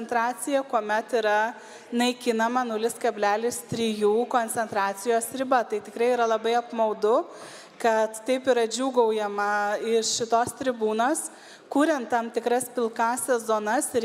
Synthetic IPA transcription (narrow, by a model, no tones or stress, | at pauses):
ɛnt̪ɾɑːt͡s̪ʲɪjɛkuɔmʲɛt̪iːɾɐ | nɐɪkʲɪnɐmɐnʊlʲɪskɐbʲlʲæːlʲɪst̪ʲɾʲiːjuːkoːnʲt͡ssʲɛnt̪ɾɑːt͡s̪ʲɪjoːsɾʲɪbɐt̪ɐɪt̪ʲɪkɾɐɪiːɾɐlˠɐbɐɪɐpmɐʊd̪ʊ | kɐt̪t̪ɐɪpiɾɐd͡ʒʲuːɡɐʊjɛmɐɪʃʃʲɪt̪oːst̪ʲɾʲɪbuːnoːs | kuːɾʲɛnt̪tɐmt̪ʲɪkɾɐspʲɪlˠkɑːsʲɛzoːnɐsɪɾ